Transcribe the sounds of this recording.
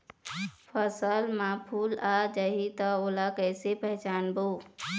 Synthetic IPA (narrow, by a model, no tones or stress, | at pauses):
pʰəsəlmãpʰulad͡ʒəɦit̪ɔolakəɪsepəɦɪt͡ʃanbo